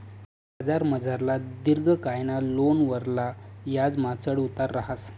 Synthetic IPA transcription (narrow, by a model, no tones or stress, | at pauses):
bad͡zaɾməd͡zaɾlad̪iɾɡʱəkajnalonʋəɾlajad͡zmat͡səɽut̪aɾːaɦas